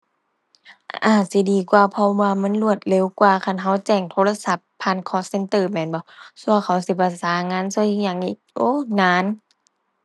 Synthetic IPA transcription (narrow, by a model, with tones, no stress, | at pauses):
ʔaː˧˩si˧˦diː˨˦kwaː˧˩pʰɔ˧waː˧ma˧˥˨nlu˧˩ət̪̚le˧˨wkwaː˧˩kʰa˧˥˨nɦa˧˥˩wt͡ɕɛː˧˩ŋt̪ʰo˧la˧sa˧˦pʰːaː˧˨nkʰɔː˧˥sse˧˦nt̪ɤː˧mɛː˧˩nbɔ˧˦su˧ɐkʰa˨˩wsi˧˦pa˧˩saː˨˦ŋaː˧˥˨nsu˧˥˨jɲaː˧˩˨ŋʔiː˧˩k̚ʔoː˧˥˨naː˧˥˨n